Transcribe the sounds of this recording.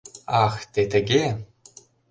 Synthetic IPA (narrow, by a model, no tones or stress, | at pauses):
ɑxt̪ʲet̪ɘ̆ɡʲe